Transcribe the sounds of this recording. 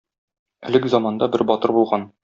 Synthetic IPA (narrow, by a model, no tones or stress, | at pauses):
ɘ̰̆lɘɡzɒmɑnd̪ɑbɘɾbɒt̪ɤɾbulˠʁɑn